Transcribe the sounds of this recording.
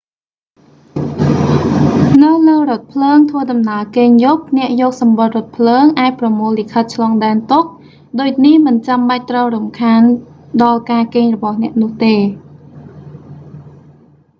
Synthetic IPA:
nɨwləːrŏət̪̚pʰləːŋt̪ʰʋəːɗɑmnaəkeːɲjoːp̚nɛ̆əʔjɔːk̚sɑmɓot̪̚rʊ̆ət̪̚pʰləːŋʔaːc̚prɑmoːlːikʰət̪̚t͡ɕʰlɑːŋɗaɛnt̪uk̚ | ɗoːc̚nihmɨnt͡ɕamɓac̚t̪rəwɾumkʰaːnɗɑlkaːkeːŋrɔɓɑhnɛ̆əʔnʊ̆əht̪eː

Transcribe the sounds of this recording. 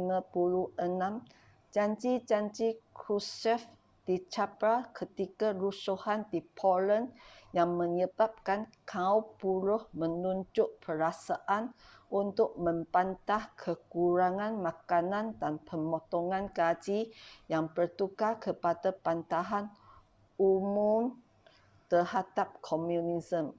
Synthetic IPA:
mãpuluənãm | d͡ʒaɲt͡ʃid͡ʒaɲd͡ʒikɾusɛf | d̥it͡ʃapakʰət̪ikarusuhandipʰɔlənjaŋmə̃ɲəbap̚kankʰaupulʊhmənuɲd͡ʒʊʔpʰəɾasaʔan | ʔunt̪ʊʔ̚mə̃mpant̪ahkʰəkuɾaŋãnmãkanãndanpəmɔt̪ɔŋãnkad͡ʒijaŋpərt̪ukakəpadapant̪aɦan | umʊm | t̪əhadap̚kʰɔmjunizəm

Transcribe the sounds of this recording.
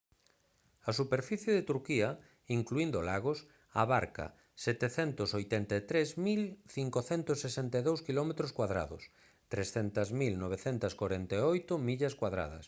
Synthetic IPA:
ɐsupeɾfiθjeðet̪uɾkiɐ | iŋkluind̪olaɣos | aβaɾkɐ̰ | sɛt̪eθɛnt̪ʊsojt̪ɛnt̪et̪ɾezmilθiŋkoθɛnt̪ʊsːesent̪eðowskilɔmet̪ɾoskwaðɾa̰ðʊ̰s | t̪ɾesθent̪ɐzmilnoβ̞eθent̪ɐskwaɾent̪eojt̪ʊmiʎɐskwaðɾa̰ðɐ̰s

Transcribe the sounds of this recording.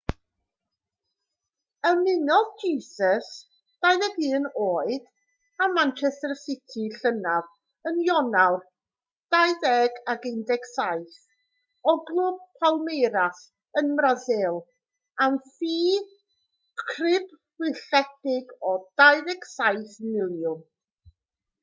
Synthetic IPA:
əmɪnɔðd͡ʒiːsəs | d̥ajðɛɡɨːnoːɨd̥ | amant͡ʃʰɛstərsɪtʰiɬənav | ənjɔnawr | d̥ajðɛɡaɡɪndɛksaɨθ | ɔɡlˠʊb̚pʰalˠmejɾas | ənmrazɪlˠ | amfiː | kʰrɪb | rɪɬɛdɪɡɔd̥ajðɛksajθmɪlˠjʊn

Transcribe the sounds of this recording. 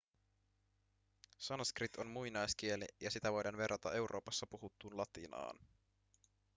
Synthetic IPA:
sɑnskrit̪o̞nmujnɑjsk̟ie̞lḭjɑsit̪æʋo̞jdɑnʋe̞rɑt̪ɑ̰ʔe̞wɾʔo̞ːpɑsːɑpuɦut̪ːuːnlɑt̪inɑ̰ːn

